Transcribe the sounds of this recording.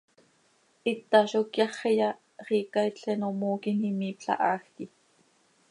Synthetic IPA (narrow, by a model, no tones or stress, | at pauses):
ʔit̪ːɑʃokjɑχejɑ | χiːkɑit͡ɬɛnomoːkinhimiːpɬɑ̰ʔɑːxki